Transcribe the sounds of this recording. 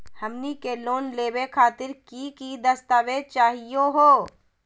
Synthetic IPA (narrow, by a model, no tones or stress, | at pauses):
hɐmnikeloːnleːwekʰaːt̪ɪɾkikid̪ɐst̪aːʋet͡ʃaːɦijoɦoː